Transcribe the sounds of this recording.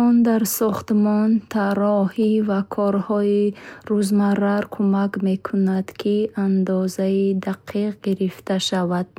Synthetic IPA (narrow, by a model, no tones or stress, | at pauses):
ɔnd̪aɾsɔχt̪mɔnt̪ʰaɾɔhivakʰɔɾhɔiɾuzmaraɾkʰumakme̞kʰunad̪̥kʰiand̪ɔzaid̪aqʰiqɡiɾift̪ʰaʃavad̪̥̚